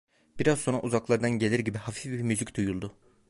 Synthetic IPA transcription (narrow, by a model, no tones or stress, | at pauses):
b̥iɾazsona̰ʔuzaklˠaɾd̪anɟe̞lʲiɾɟibihafifbimyzicd̪̥ujulˠd̪ʊ